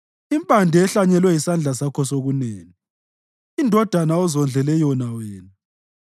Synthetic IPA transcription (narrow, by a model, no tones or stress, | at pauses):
impʼandʱɛɛɬaɲɛlwɛisand͡ɮʱasakʰɔsoɣuneːŋi | indʱɔd̥ʱanaɔzɔnd͡ɮʱɛlɛjɔnaweːnu